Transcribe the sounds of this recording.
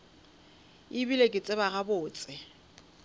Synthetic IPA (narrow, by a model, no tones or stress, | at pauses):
ɪbilekʼɪt͡sʼɪβaɣabʊːt͡sʼɪ